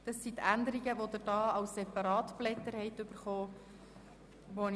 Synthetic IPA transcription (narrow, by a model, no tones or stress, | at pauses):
d̥ɑsːit̪ænd̪əɾiɡəʋod̪əɾd̥ɑːɑwssɛpɑɾɑːt̪blɛt̪ːəɾhɛɪt̪ɵb̥əɾχoː | ʋon